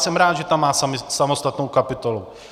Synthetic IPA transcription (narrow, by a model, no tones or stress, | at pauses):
sɛmɾaːd̪ʒɛt̪amːaːsmsamost̪at̪nowkapɪt̪olu